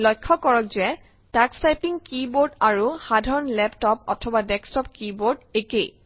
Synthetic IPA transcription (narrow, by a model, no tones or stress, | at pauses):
lɔjkʰːɔkɔɹɔkzɛ | takstajpiŋkiboɹdaɹuxadʱaɹɔnlɛptɔp̚ɔ̰tʰɔbadɛkstɔp̚kiboɹdekej